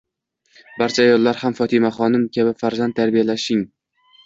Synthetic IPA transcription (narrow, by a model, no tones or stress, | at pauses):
baɾt͡ʃʰaːjɒlˠːaɾhamfɒt̪ʰɪmaχɒnɪmkʲʰabɪfaɾzant̪t̪ːʰaɾbijalaʃɪŋ